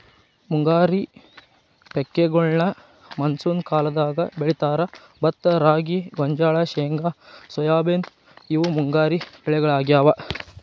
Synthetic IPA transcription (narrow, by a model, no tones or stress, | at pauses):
muŋɡaːɾi | pɛkːeɡɔɭnɐ | mɐnsuːnkaːlɐd̪aːɡɐbeɭit̪aːɾɐ | bɐt̪ːɐɾaːɡiɡɔɲd͡ʒaːɭɐʃɛːŋɡasɔjaːbeːn | iʋumuŋɡaːɾibɛɭɛɡɐɭaːɡjaːʋɐ